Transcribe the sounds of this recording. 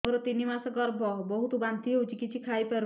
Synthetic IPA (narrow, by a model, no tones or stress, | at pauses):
ɔɾɔt̪inimasɔɡɔɾbʱɔbɔɦut̪ubant̪iɦut͡ʃikit͡ʃʰikʰajpɛɾ